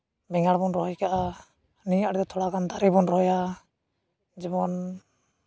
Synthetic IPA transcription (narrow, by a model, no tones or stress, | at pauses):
bɛŋaɽbɔnɾɔɦɔjkaʔa | nijaʔɽɛd̪ɛt̪ʰɔɽaɡand̪aɾɛbɔnɾɔɦɔja | d͡ʒɛbɔn